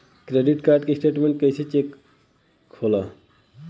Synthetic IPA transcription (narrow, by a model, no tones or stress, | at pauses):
kɾeɖiʈkaɾɖkesʈeʈmeɳʈ̚kejsʰet͡ɕekʰː | ola